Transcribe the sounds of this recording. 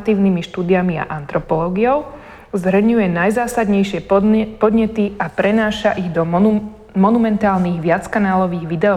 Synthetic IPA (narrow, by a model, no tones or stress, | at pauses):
t̪iːʊnimiʃt̪uːd̪iamia̰ʔant̪ɾɔpɔlɔːɡiɔʊ | zɦɾəɲujɛnajzaːsad̪ɲɛjʃɪɛpɔd̪ɲɛt̪iapɾɛnaːʃaʔiɣd̪ɔ | mɔnumɛnt̪aːlniːɣʋɪat͡skanaːlɔʋiːɣʋid̪ɛɔ